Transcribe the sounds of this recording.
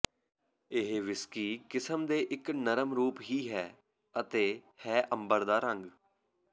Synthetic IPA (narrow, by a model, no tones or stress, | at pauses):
ɪɦeʋɪskiːkɪsəmd̪eːʔɪknəɾəmɾuːpɦiːɦɛː | ət̪eːhɛːʔəmbəɾd̪aːɾə̃ŋɡ